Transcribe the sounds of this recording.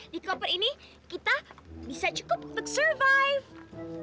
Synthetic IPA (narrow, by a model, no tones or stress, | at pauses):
dikɔpɔt̪ini | kit̪abisat͡ʃu̥kʊp̚d̪əksəɹvajv